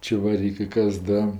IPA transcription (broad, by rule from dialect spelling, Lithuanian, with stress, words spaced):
t͡ʃʲɛʋɐˈrʲiːkɜ ˈkɐs ˈdɐ